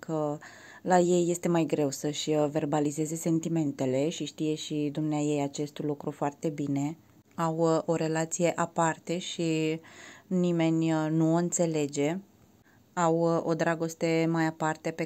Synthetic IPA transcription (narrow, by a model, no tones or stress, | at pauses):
kʰə | laje̞jːe̞st̪e̞majɡɾe̞wsəʃʲve̞rbalize̞ze̞se̞nt̪ime̞nt̪e̞le̞ʃiʃt̪ije̞ʃid̪umneaje̞jat͡ʃe̞st̪lukɾufoart̪e̞bine̞ | awo̞ɾe̞lat̪sije̞ʔapart̪e̞ʃi | nime̞nʲnuoɨnt̪se̞le̞d͡ʒe̞ | awo̞d̪ɾaɡo̞st̪e̞majapart̪e̞pe